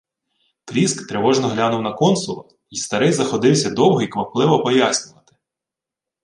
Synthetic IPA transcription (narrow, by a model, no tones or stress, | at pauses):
kɾʲiskt̪ɾeʋɔʒnɔɦlʲanʊwnɐkɔnsʊlˠɐ̰ | ist̪ɐɾɪjzɐxɔd̪ɪwsʲɐd̪ɔwɦɔikʋɐplˠɪʋɔpɔjasʲnʲʊʋɐt̪ɪ̥